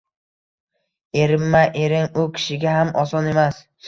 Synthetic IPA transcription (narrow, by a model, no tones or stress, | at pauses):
e̞ɾɪmːaʔeɾɪŋʊkʲʰɪ̥ʃɪɡʲaɦamɒsɒne̞mas